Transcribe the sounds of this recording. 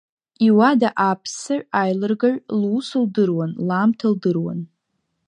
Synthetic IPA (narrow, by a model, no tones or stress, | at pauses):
iwadaʔapʰsaʕajlɨrɡaʕʷlːsɨldɨrwanlamtʰaldɨrwa̰n